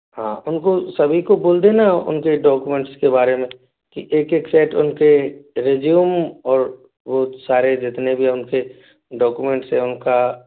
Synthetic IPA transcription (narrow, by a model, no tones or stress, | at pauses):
ɦã̰ːʊnkosɐbʱikoboːld̪enaʊ̰nkeɖɔːkumẽːɳʈskebaːɾemẽ | kiʔeːkeːksɛːʈʊnkeɾeːd͡ʒjumɔːɾ | boːsaːɾed͡ʒɪt̪nebʱiʊnke | ɖɔːkumẽɳʈsɦɛ̃ʊnka